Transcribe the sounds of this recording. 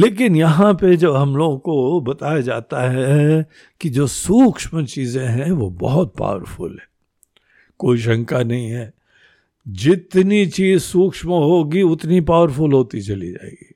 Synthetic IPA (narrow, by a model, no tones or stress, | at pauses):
leːk̬ɪnjɐɦãped͡ʒɐbɦɐmloːɡõkobɐt̪aːjad͡ʒaːt̪aɦɛ | kid͡ʒoːsuːkʃmət͡ʃiːzẽɦɛ̃ʋobɐ̰ɦɔt̪̚pa̰ːʋəɾfʊ̰lɦɛː | koːiʃ̬ɐ̃ŋkanɐɦĩɦɛː | d͡ʒɪt̪nit͡ʃiːzsuːkʃməɦoːɡiʊt̪nipaːʋəɾfʊlɦoːt̪it͡ʃɐlid͡ʒa̰ːḛːɡiː